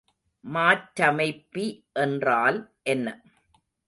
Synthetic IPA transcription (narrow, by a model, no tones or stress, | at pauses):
maːʈːɐmɐɪpːiʔɛndraːlʔɛnːɐ